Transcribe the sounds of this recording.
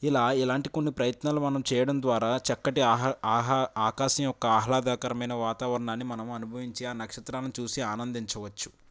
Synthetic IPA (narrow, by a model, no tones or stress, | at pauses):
ilaːilaːɳʈikonːipɾɐjɐt̪naːlumɐnɐmt͡ʃɛːjɐɽɐnd̪ʋaːɾaːt͡ʃɛkːɐʈiːɦaːkaːʃɐmjɔkːɐaːɦlaːd̪aːkɐɾɐmɐjnɐʋaːt̪aːʋɐɾɐɳaːnːimɐnɐmɐnubʱɐʋiɲt͡ʃiaːnɐkʂɐt̪ɾaːnnit͡ʃuːsiaːnɐnd̪iɲt͡ʃɐʋɐt͡ʃːu̥